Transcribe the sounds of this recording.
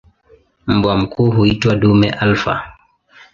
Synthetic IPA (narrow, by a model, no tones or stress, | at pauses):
m̩bwam̩kuːɦuitwaɗumɛʔalfa̰